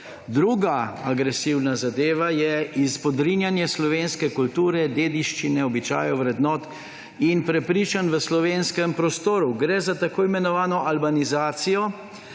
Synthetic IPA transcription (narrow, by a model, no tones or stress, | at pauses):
d̪ɾuːɡaaɡɾɛsiwnazad̪eːʋajɛispɔd̪ɾinjanjɛslɔʋeːnskɛkult̪uːɾɛd̪eːd̪iʃt͡ʃinɛɔbit͡ʃa̰ːjɔʋɾɛd̪nɔːt̪ | inpɾɛpɾiːt͡ʃanʋəslɔʋeːnskɛmpɾɔst̪oːɾuɡɾɛːzat̪akoːimɛnɔʋaːnɔʔalbanizaːt̪sijɔ